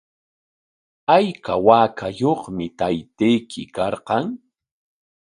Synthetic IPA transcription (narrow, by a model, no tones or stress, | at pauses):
ajkawaːkʰajoχmɪt̪ajt̪ejkʰɪkɑɾqɑŋ